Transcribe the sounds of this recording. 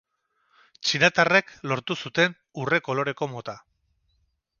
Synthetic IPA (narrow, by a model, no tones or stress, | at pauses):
t͡ʃinat̪are̞klo̞ɾt̪usut̪e̞n | ure̞ko̞lo̞ɾe̞ko̞mo̞t̪a